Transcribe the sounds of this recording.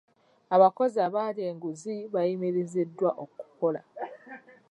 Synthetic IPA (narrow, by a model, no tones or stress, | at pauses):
aβako̞zaβaːɾeːŋɡuziβajimiɾizidːwaʔoku̥ko̞la̰